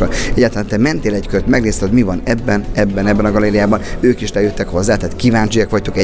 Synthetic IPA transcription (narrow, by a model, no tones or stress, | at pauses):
ɒnɛɟːaːt̪ɔlant̪ɛmɛnt̪eːlɛckøɾøt̪mɛɡneːst̪ɛhod̪mivɒnɛbːɛnɛbːɛnɛbːɛnɒɡɒleːɾijaːbɒnøːkiʃlɛjøt̪ːɛkho̞zːaːt̪aːt̪kivaːɲt͡ʃijɒkʋɒc̚t̪ukɛ